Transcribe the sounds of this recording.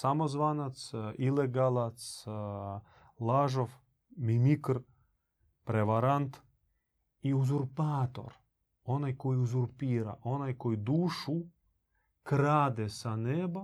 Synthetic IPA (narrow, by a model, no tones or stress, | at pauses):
samozʋanat̪sileɡalˠat̪s | lˠaʒof | mimikr | pɾeʋaɾant̪ | iuzuɾpaːt̪o̞̰ɾ | o̞najko̞jiuzuɾpiːɾa̰ʔo̞najko̞jid̪uːʃu | kɾaːd̪esaneːba